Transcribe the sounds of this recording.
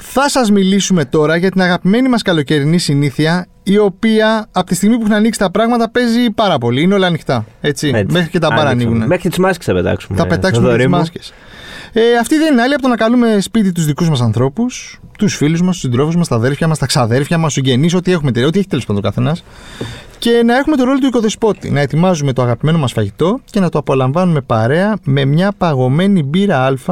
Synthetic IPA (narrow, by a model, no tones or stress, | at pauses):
θɐsɐzmilisume̞t̪o̞ɾɐʝɐt̪inɐɣɐpime̞nimɐskɐlo̞ce̞ɾinisiniθiɐ | io̞piɐːpot̪ist̪iɣmip̬uxnɐniksi̥t̪ɐpɾɐɣmɐt̪ɐpe̞zipɐɾɐpo̞liineo̞lɐːnixt̪ɐe̞t͡sime̞xɾicet̪ɐbɐɾɐniɣunemexɾit̪izmɐske̥st̪ɐpet̪ɐ̰ksumt̪ɐpeɐksmeɾizmɐskes | eɐft̪iðeninɐliɐpot̪onɐkɐlume̞spit̪̬it̪uzðikuzmɐs̬ɐnθɾo̞pust̪usfiluzmɐst̪u̥sind̪ɾo̞fuzmɐst̪ɐðe̞ɾfçɐmɐst̪ɐksɐðe̞ɾfçɐmɐsiɲɟeniso̞t̪ie̞xumet̪eo̞t̪ieçit̪elospɐnðokɐθe̞nɐs | ce̞nɐe̞xume̞t̪oɾo̞lot̪uiko̞ðo̞spo̞t̪ḭnɐe̞t̪imɐzume̞t̪o̞ɐɣɐpime̞no̞mɐsfɐʝit̪o̞ce̞nɐt̪oɐpo̞lɐɱvɐnume̞pɐɾe̞ɐme̞mɲɐpɐɣo̞me̞nibiɾɐɐlfɐ